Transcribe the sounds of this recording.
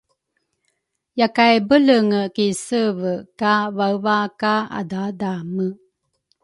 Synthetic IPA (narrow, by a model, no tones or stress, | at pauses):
jakajbələŋəkisəvəkavavakaa̰dadamə